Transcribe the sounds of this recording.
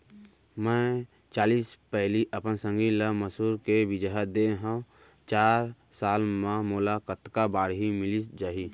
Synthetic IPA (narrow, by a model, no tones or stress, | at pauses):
mɛ̃ː | t͡ʃaːliːspɛɦliʔəpənsə̃ŋɡiləməsuːɾkeʋɪd͡ʒaɦəd̪eɦə̃ | t͡ʃaːɾ | saːlmãmoːlakət̪kabaːɽɦimɪlisd͡ʒaːɦi